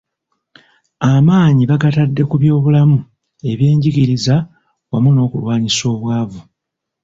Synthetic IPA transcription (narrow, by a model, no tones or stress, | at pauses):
amaːɲiβaɡatadːe̞kuβjo̞ːβulamu | e̞βje̞ːɲɟiɡiɾiza | wamuno̞ːkulwaːɲiso̞ːβwaːvu